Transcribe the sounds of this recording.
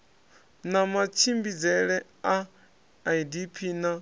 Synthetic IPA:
namat͡ʃʰimbid͡zɛɺɛ | aː | idipʰiːna

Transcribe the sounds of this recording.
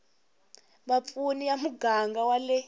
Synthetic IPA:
ɓap̪funijamuɡʱaŋɡawalɛ

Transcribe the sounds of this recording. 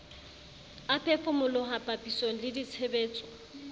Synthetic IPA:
apʰɛfʊmʊlʊɦapʼapʼisoŋ̩lɪdit͡sʰebeːt͡sʼɔ̥

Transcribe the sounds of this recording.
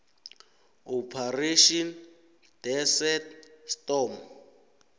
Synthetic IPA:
ɔpʰariʃɔn | d̥ɛsɛtstɔm

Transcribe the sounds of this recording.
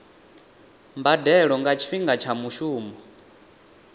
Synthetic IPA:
mbadɛɺɔŋɡat͡ʃʰiɸiŋɡat͡ʃʰamuʃuːmɔ

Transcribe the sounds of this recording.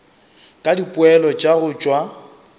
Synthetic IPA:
kʼadipʼʊɛlɔt͡ʃʼaɣʊt͡ʃʼwa

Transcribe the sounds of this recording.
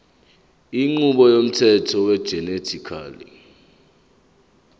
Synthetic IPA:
iŋ͡ǃuɓɔjom̩tʰɛtʰɔwɛd̥ʒ̥ʱɛnetʰikʰa̰ːlḭ

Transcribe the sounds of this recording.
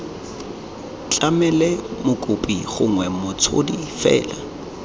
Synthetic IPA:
t͡ɬʼamɛlɛmʊkʼʊpʼiχʊŋwɛmʊt͡sʰʊ̰difɛ̰ːla

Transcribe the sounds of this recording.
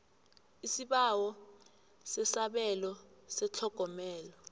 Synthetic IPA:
isiɓawɔ | sɛsaɓɛlɔsɛt͡ɬʰɔɡ̥ʱɔmɛːlɔ

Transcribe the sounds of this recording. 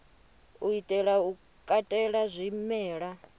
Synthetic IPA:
uitʼɛɺau | kʼatʼɛɺazʷimɛːɺa

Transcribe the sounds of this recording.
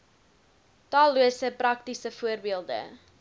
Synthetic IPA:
tɑːlˠːuəsəprɐk̚tisəfuərbiəlˠdə̰

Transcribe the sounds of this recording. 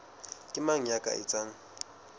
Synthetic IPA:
kʼɪmaŋ̩ɲakʼa̰ʔɪt͡sʼaŋ̩

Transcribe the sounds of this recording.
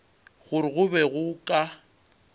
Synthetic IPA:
ɣʊɾɪɣʊbɛɣʊkʼa

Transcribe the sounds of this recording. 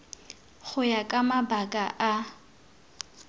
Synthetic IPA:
χʊjakʼamabakʼaʔa

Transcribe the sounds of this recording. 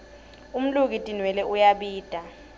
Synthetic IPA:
um̩luk̬itʼinwɛlɛʔujaɓiːd̥ʱa

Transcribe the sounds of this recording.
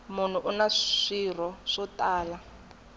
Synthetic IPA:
mʊn̤uʔunaʂir̤ɔʂɔtʼaːla

